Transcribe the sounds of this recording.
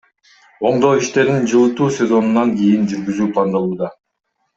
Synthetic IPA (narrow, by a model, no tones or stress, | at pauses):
o̞ɴd̪o̞ːiʃt̪e̞ɾd̪ind͡ʒɯlˠɯt̪uːsʲe̞zo̞nunɑŋɡʲijind͡ʒyɾɡyzyːplˠɑnd̪ɑlˠuːd̪ɑ